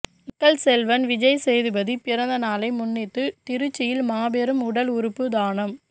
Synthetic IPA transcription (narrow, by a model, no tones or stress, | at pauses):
ɪkːɐlsɛlʋɐnʋɪd͡ʒɐjsɛjðɯbɐðipɪɾɐnd̪ɐnaːlɐɪmʊnːɪt̪ːɯt̪ɪɾɯt͡ʃːɪjɪlmaːbeɾɯmʊɽɐlʊɾɯpːɯd̪aːnɐm